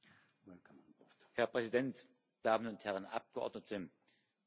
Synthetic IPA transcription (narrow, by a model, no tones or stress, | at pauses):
m | hɛɐpʁ̥ɛzidɛnt | d̥aːmənʊnthɛʁənʔa̰p̚ɡ̥əʔɔ̰ɐdnətʰə